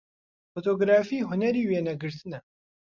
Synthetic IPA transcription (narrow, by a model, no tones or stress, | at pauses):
fot̪ʰoːɡɾaːfiːɦʊnɛɾiːweːnɐɡɨɾt̪ɨnɛ